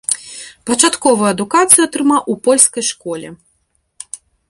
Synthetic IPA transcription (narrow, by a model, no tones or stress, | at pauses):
pɐt͡ʂat̪kɔvɐjuɐd̪ukat̪sɨjuɐt̪ɾɨmawʔupɔlʲskɐjʂkɔlʲɛ